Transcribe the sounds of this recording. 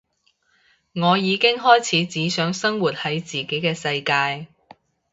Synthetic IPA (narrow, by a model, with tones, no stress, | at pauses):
ŋɔː˨˧jiː˨˧kɪ˥ŋɦɔː˥jt͡sʰiː˨˥t͡siː˨˥sœː˨˥ŋsɐ˥ŋwuː˨˩t̚hɐ˨˥jt͡siː˨˩ke˨˥jkɛː˧sɐ˧jkaː˧j